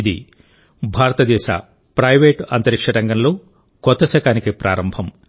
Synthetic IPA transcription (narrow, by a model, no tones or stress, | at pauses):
d̪ḭ | bʱaːɾɐt̪ɐd̪ɛːʃa̰ː | pɾɐjʋeːʈɐnt̪ɐɾikʂɐɽɐŋɡɐnlo̞ː | kɔt̪ːɐsɐkaːnikipɾʔaːɾɐmbʱɐm